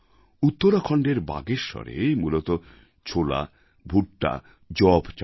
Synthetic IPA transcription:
ut̪ːoɾakʰɔɳɖeɾba̰ɡeɾʃɔ̰ɾḛmulot̪o | t͡ɕʰola̰ | bʱuʈʈa̰ | d͡ʑɔbt͡ɕ

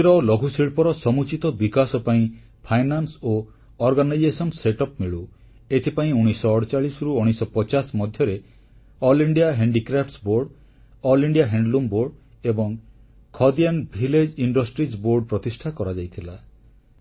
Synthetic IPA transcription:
ɾɔlɔɡʱusiɭpɔɾɔsɔmut͡ʃit̪ɔbikasɔpaĩ | pʰajnanso | ɔɾɡanajd͡ʒesɔnseʈɔpmiɭu | et̪ʰipaĩuɽ̃isɔːɽt͡ʃaɭisɾuuɽ̃isɔpɔt͡ʃasmɔd̪ʱjɔɾe | ɔliɳɖijaɦeɳɖikɾapʰʈsboɾɖ | ɔliɳɖijaɦeɳɖlumboɾɖ | ebɔŋ | kʰɔd̪ianbʱiled͡ʒiɳɖɔsʈɾid͡ʒboɾɖpɾɔt̪isʈʰakɔɾad͡ʒajt̪ʰila

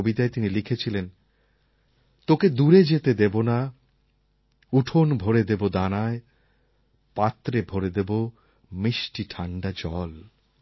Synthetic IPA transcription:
obit̪aet̪inilikʰet͡ɕʰilen | t̪oked̪uɾed͡ʑet̪ed̪ebona | uʈʰonbʱoɾed̪ebod̪anae | pat̪ːɾebʱoɾed̪ebo | miʃʈiʈʰaɳɖad͡ʑɔl

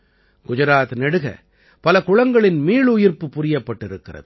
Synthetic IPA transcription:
ɡ̥ʊd͡ʒɐɾaːt̪nɛɽɯɣɐ̰ | pɐlɐkʊɻɐŋɡɐɭɪnmiːɭʊjɪrpɯpːʊɾɪjɐpːɐʈːɪɾɯkːɪrɐ̰ðɯ

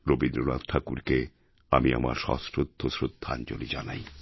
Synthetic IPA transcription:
ɾobind̪ɾonad̪t̪ʈʰakuɾke | amia̰ma̰ɾʃɔ̰sɾod̪ʱːosɾod̪ʱːand͡ʑolid͡ʑanaj

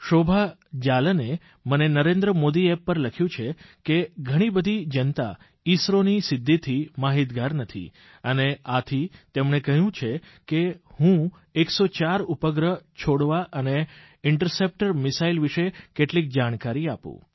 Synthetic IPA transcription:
ʃobʱa | d͡ʒaləne | mənenəɾẽnd̪ɾəmod̪iepːəɾləkʰjũt͡ʃʰekeɡʱəɽ̃ibəd̪ʱid͡ʒənt̪a̰ | isɾonisɪd̪ʱːit̪ʰimaɦit̪ɡaɾnət̪ʰḭ | əneat̪ʰit̪emɳekəɦjũt͡ʃʰe | kehũ | eksot͡ʃaɾupəɡɾət͡ʃʰoɽʋaʔəne | ɪɳʈəɾsep̚ʈəɾmɪsailʋiʃekeʈlik̚d͡ʒaɽ̃kaɾiapṵ̃

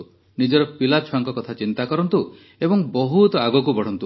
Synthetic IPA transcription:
nid͡ʒɔɾɔpilat͡ʃʰwaŋkɔkɔt̪ʰat͡ʃint̪akɔɾɔnt̪u | ebɔŋbɔɦut̪ɔaɡɔk̬ubʱɔɽ̤ɔnt̪u

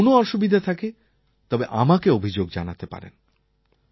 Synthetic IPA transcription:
noɔɾʃobid̪ʱat̪ʰake | t̪ɔbeʔamakeobʱid͡ʑoɡd͡ʑanat̪epa̰ɾḛn

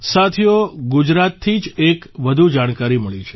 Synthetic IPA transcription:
sat̪ʰijoɡud͡ʒɾat̪ʰːid͡ʒekʋəd̪ʱud͡ʒaɽ̃kaɾiməɭit͡ʃʰe̥

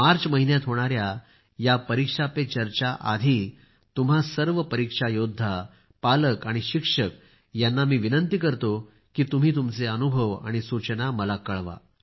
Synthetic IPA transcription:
maɾt͡sməɦinjat̪ɦoɽ̃aɾja | japəɾikʂapet͡ɕəɾt͡ɕaʔad̪ʱiː | t̪um̤asəɾʋəpəɾikʂajod̪ʱːa | paləkaɽ̃iɕikʂək̚ | janːamiːʋinənt̪ikəɾt̪o | kiːt̪um̤iːt̪̬umt͡seənubʱəʋa̰ɽ̃isut͡ɕənaməlakəɭʋa̰

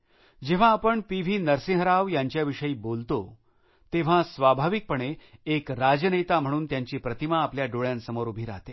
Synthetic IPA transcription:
d͡ʑeʋ̤ãːpəɳpiʋ̤ʱiːnəɾsĩɦəɾaʋjaɲt͡ɕjaʋiʂəiːbolt̪o | t̪eʋ̤ãsʋabʱaʋik̚pəɳeːkɾad͡ʑənejt̪am̤əɽ̃uːnt̪jaɲt͡ɕiːpɾət̪imaːpljaɖoɭjãnsəmoɾubʱiːɾa̰ɦt̪e

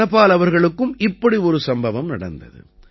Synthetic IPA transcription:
ɐpːaːlɐʋɐɾɣɐɭɯkːɯmɪpːɐɽiɔɾɯsɐmbɐʋɐmnɐ̰ɽɐ̰nd̪ɐ̰ðɯ̰

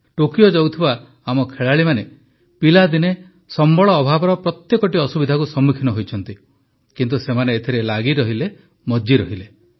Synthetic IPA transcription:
ʈokijɔd͡ʒɔwt̪ʰibaː | mɔkʰeɭaɭimane | pilad̪ine | sɔmbɔɭɔːbʱabɔɾɔpɾɔt̪jekɔʈiɔsubid̪ʱakusɔmːukʰinɔɦojt͡ʃʰɔnt̪i | kint̪̬usemaneːt̪ʰiɾelaɡiɾɔɦile | mɔd͡ʒiɾɔɦile

